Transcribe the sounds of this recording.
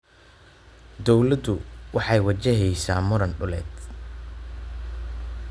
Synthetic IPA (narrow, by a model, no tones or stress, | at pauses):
d̪ɔwlɐd̪ʊwɑħɑjwɐt͡ʃɛɦɛjsaːmʊɾɐnɖʊlɛ̰ːd̪